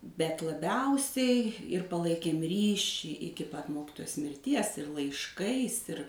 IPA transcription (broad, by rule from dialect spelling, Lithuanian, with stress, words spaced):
bʲɛt lˠɐˈbʲɛʊsʲɛɪ ɪr pɐˈlˠɐɪkʲeːm ˈrʲiːʃʲiː ˈɪkʲɪ pɐt ˈmoːkʲɪtoːjoːs mʲɪrʲˈtʲiɛs ɪr lˠɐɪʃˈkɐɪs ɪr